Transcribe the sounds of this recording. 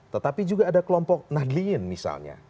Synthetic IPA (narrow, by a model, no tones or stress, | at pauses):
t̪ət̪apid͡ʒuɡaːdakəlɔmpɔk̚nahdliənmisa̰lɲa̰